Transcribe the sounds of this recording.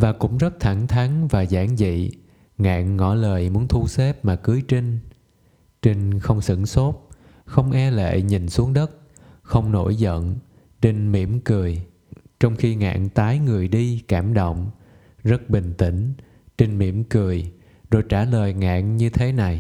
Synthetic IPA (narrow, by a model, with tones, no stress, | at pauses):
vaː˨˩kʊ̰˧˥ŋ͡mzə˦˥t̚t̪ʰa˧˩ŋt̪ʰa˨˦ŋvaː˨˩zaː˧˩ŋzḭ˧˨ | ŋa̰ː˧˨ŋːɔ˧˩ləː˨˩jmu˨˦ənt̪ʰu˧se˦˥p̚maː˨˩kɨ˨˦jt͡ɕi˧ŋ | t͡ɕi˧ŋxə˧wŋ͡msɨ̰˧˩˥nso˦˥t̚ | xə˧wŋ͡mʔɛ˧lḛ˧˨ɲi˨˩nsu˨˦əŋɗə˦˥t̚ | xə˧wŋ͡mno˧˩jzə̰˧˨n | t͡ɕe˧ŋmḭ˧˩əmkɨ˨˩əj | t͡ɕɔ˧wŋ͡mxi˧ŋa̰ː˧˨ŋt̪aː˨˦jŋɨ˨˩əjɗi˧kaː˧˩mɗo̰˧˨wŋ͡m | zə˦˥t̚ɓï˨˩ŋ̟t̪ï˧˩ŋ̟ | t͡ɕi˧ŋmḭ˧˩əmkɨ˨˩əj | zo˨˩jt͡ɕaː˧˩ləː˨˩jŋa̰ː˧˨ŋɲɨ˧t̪ʰe˨˦na˨˩j